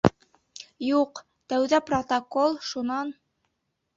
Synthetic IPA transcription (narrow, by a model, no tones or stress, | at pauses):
juq | t̪æwðæprot̪ɐkolˠʃunɑn